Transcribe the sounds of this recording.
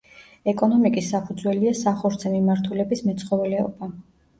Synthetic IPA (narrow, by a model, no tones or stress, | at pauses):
ɛkʼɔnɔmikʼisːapʰud̪zwɛliasaχɔɾt̪sʰɛmimaɾt̪ʰulɛbismɛt̪sʰχɔvɛlɛɔ̰ba